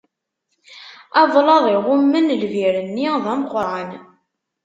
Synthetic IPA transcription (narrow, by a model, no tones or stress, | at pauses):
ɑðˤlɑðˤiʁʊmːənlviɾənːiðˤæmqəɾʕən